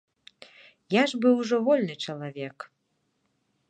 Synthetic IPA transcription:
jaʐbɨwʐɔvɔlʲnɨt͡ʂɐlˠavʲɛk

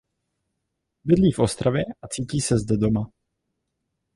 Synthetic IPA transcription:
bɪdliːfʔo̞st̪ɾavjɛʔat͡siːciːsɛzdɛdo̞ma

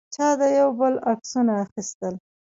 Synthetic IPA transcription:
t͡ʃɑd̪əjawbəlaksunaːxist̪əl

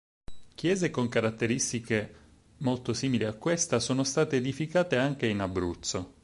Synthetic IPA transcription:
k̟jɛːzekoŋkaɾat̪ːeɾist̪ike | molt̪osiːmiliakːwest̪asoːnost̪aːt̪eːd̪ifikaːt̪eaŋk̟einabːɾut̪sːo

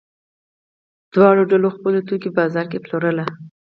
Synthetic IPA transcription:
d̪̥wɑɽoɖaloxpəlot̪ukebɑzɑɾkeploɾəla

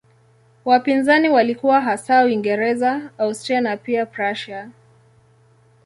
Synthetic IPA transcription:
wapinzaniwalikuwaɦasawiŋɡɛɾɛzaawstɾianapiapɾaʃa

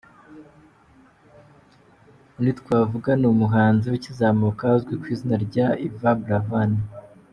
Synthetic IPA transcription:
nitkwaːvuɡanumuɦaːnziwicizaːmukazɡwekwiːzinaɾɟaivabɾavana

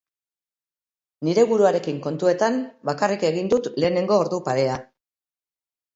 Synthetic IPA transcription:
niɾe̞βuɾuaɾe̞kiŋko̞nt̪ue̞t̪anbakarike̞ɣ̞ind̪ut̪le̞ːne̞ŋɡo̞ːɾðupaɾe̞a

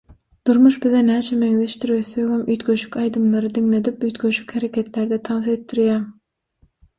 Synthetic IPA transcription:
d̪̥uɾmuʃbiðenæːt͡ʃʰemeŋðeʃt̪yɾβeθejɣemʔyːt̪ɡøʃy̥kʲɑjd̪ɯmlˠɑɾɯd̪iŋle̞d̪ipyːt̪ɡøʃy̥kʲheɾe̞kʲʰe̞t̪leɾd̪et̪ʰɑnθet̪ːiɾjæːm

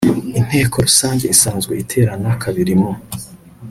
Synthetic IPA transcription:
in̥he̞ːko̞ɾusaːɲɟe̞isaːnzɡweitʰe̞ːɾanakʰaβiɾimo

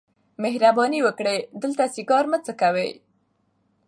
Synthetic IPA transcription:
mehɾabɑniwəkɽed̪əlt̪asiɡɑɾmət͡səkawḛj

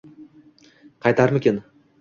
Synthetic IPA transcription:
qʰɑjt̪aɾmɪkʲen

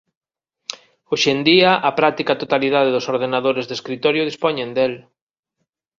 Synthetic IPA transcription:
oʃend̪iaʔapɾat̪ikat̪ot̪aliðað̞eðʊsoɾðenaðoɾezðeskɾit̪ɔɾjʊð̞ispɔɲẽnd̪el

